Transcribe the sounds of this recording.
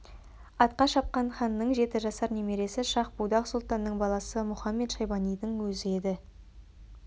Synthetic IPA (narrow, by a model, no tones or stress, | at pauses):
ɑt̪̚qɑʃɑp̚qɑnχɑnːəɴʒe̞t̪ɪʒɑsɑɾneme̞ɾe̞sɪʃɑq̚bud̪ɑqsʊlˠt̪ɑnːəɴbɑlˠɑsəmʊχɑmːe̞t̪ʃɑjbɑnijd̪ɪŋwɵzɪe̞d̪ɪ